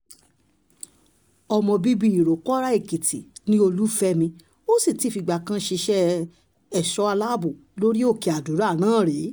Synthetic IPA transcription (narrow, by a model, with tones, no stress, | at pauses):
ɔ˧mɔ̃˧bi˦bi˦i˨ɾo˨kɔ˦ɾa˦e˦˨ki˨tḭ˨nĩ˦o˧lu˦fɛ˦mĩ˧ | o˦si˦˨ti˦˨fi˧ɡ͡ba˨kã˦ʃe˧ʃɛ˦ | ɛ˦˨ʃɔ˨˦a˧la˦bu˨ | lo˦ɾi˦o˦˨ke˨˧a˨du˨˦ɾa˦˨nãː˨˦˨ɾe˨˦